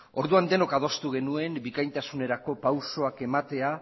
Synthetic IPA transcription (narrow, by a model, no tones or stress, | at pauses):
o̞ɾðuand̪e̞no̞kað̞o̞st̪uɣ̞e̞nue̞mbikajnt̪asune̞ɾako̞pawso̞ake̞mat̪e̞a